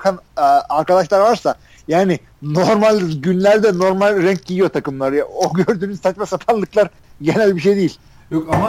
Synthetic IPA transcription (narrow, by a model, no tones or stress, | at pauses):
kʰanaɾkad̪aʃlˠaɾvaɾsa | jaːnɪ | no̞ɾmalʲɟynlʲæɾd̪ɛno̞ɾmalʲɾɛɲc̚ɟijijo̞t̪ʰakɯmlˠaɾɯjaoɟøɾd̪yːnyzt̪ʰat͡ʃ̪mɛsapʰanlˠɯklˠaɾ | ɟe̞nælʲbiʃ̬ejd̪ejilʲ | jokama